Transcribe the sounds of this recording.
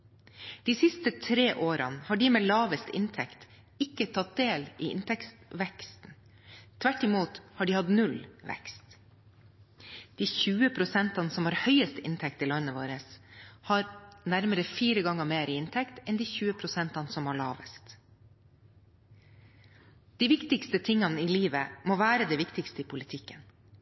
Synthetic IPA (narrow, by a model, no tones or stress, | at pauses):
d̪̥iːsɪst̪ət̪ʰɾeːʔoːɾɑ̰nhɑːɖiːmeːlɑːʋəst̪ɪ̰nt̪ʰɛkt̪ | ɪkət̪ʰɑt̪̚d̪eːliːɪ̰nt̪ʰɛkst̪ʋɛkst̪n̩ | t̪ʰʋæʈːɪmuːt̪hɑːɖiːhɑd̪nʉlʋɛ̰kst̪ | d̪̥iːçʉːəpʰɾʊsɛnt̪ɑnsɔmhɑːɾhœʏəst̪ɪnt̪ʰɛk̚t̪iːlœnːəʋoːɾəshɑːɾnæɾməɾəfiːɾəɡɑŋəmeːɾɪɪnt̪ʰɛkt̪ɛnd̪iːçʉːəpʰɾʊsɛnt̪ɑnəsɔmhɑːɭɑːʋə̰st̪ | d̪̥iːʋɪkt̪ɪkst̪ət̪ʰɪŋɑnəiliːʋəmoːʋæːɾəd̪ɛːʋɪkt̪ɪkst̪əiːpʰʊlɪt̪ʰɪkːən